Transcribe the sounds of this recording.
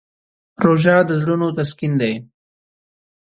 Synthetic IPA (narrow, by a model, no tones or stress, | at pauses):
ɾoʒɑd̪əzɽunot̪askind̪ej